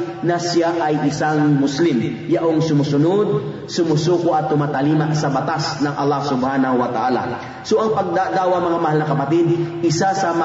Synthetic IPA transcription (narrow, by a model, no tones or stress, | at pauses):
nɐsɪjaʔɐjʔɪsaŋmʊslɪm | jaʔoŋsʊmusʊnod̪̚ | sʊmʊsuːkoʔɐt̪ːʊmaːt̪ɐliːmaʔsɐbɐt̪asnɐŋʔɐ̰lːahsʊbhanɐwɐt̪aʔaːla̰ | soʔɐŋpɐɡ̚d̪ad̪aːwɐŋmɐŋamɐhalnɐkɐpat̪id̪̚ɪsasɐma